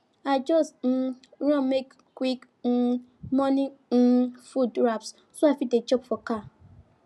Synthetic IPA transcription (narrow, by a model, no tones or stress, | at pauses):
aɪd͡ʒɔstn̩ | ɹɔ̃mek | kwik | n̩mɔnin̩fudɾaps | soaɪfidet͡ʃɔpfɔka